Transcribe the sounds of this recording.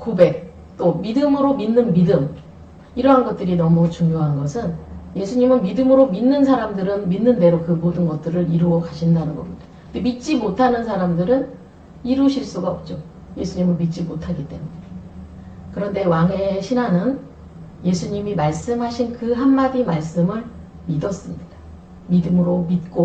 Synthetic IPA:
kobe̞k̚ | t͈omidɯmɯɾominːɯnmidɯm | iɾʌɦanɡʌt̚t͈ɯɾinʌmut͡ɕuŋjoɦanɡʌsʰɯnje̞sʰuɲimɯnmidɯmɯɾominːɯnsʰaɾamdɯɾɯnminːɯnde̞ɾokɯmodɯnɡʌt̚t͈ɯɾɯɾiɾuʌkaɕʰindanɯnɡʌ̰mɲida | ɯndemit̚t͡ɕ͈imotʰanɯnsʰaɾamdɯɾɯn | iɾuɕʰiɭs͈uɡaʌp̚t͡ɕ͈o | je̞sʰuɲimɯnmit̚t͡ɕ͈imotʰaɡit͈e̞̰muɲee | kɯɾʌnde̞waŋe̞ɕʰinɦanɯn | je̞sʰuɲimimaɭs͈ɯmɦaɕʰinkɯɦanːaɡimaɭs͈ɯmɯɭ | midʌs͈ɯmɲida | midɯmɯɾomit̚k͈o

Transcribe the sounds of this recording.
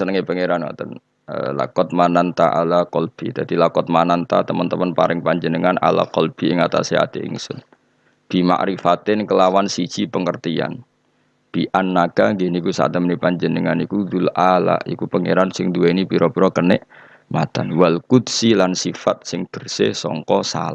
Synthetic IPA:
sənəŋepəŋeɾanwa̰t̪ən | ə̰la̰kɔt̪̚manant̪aʔa̰lakɔlb̥i̤d̪ad̪ilakɔt̪̚manant̪a̰t̪əmənt̪əmənpa̰ɾɪŋpaɲd͡ʒənəŋana̰la̰kɔlb̥i̤ɪŋat̪a̰sea̰t̪eʔɪ̰ŋsʊ̰n | b̥i̤ma̰ʔɾifat̪ɪnkəlawansi̥ʒ̥ipəŋərt̪ia̰n | b̥iʔanːaɡ̥aŋɡenikusa̰t̪ːəmənipaɲd͡ʒənəŋanikud̪ulʔala̰ḭkupəŋeɾansɪŋd̪uweinib̥iɾʔɔb̥ɾɔkənɪʔ | mat̪anwalkud̪silansifat̪̚sɪŋd̪̥ərsesɔ̰ŋkɔsa̰la

